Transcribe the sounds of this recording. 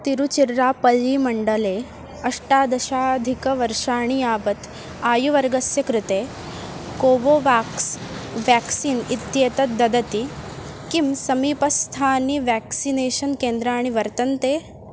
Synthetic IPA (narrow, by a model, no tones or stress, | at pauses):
t̪iɾut͡ʃiɾːaːpɐlːiːmɐɳɖɐleː | ɐʂʈaːd̪ɐʃaːd̪ʱikɐʋɐɾʂaːɳ̃iaːʋɐt̪ | aːjuʋɐɾɡɐsjɐkɾut̪eː | koːʋoʋaːksʋæksiːnit̪jeːt̪ɐt̪̚d̪ɐd̪ɐt̪ikimsɐmiːpɐst̪ʰaːniʋæksineːʃɐnkeːnd̪ɾaːɽ̃iʋɐɾt̪ɐnt̪eː